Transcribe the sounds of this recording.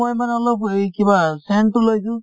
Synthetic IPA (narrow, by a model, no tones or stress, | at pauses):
ojmanɔlopkibasɛntʊlojdũ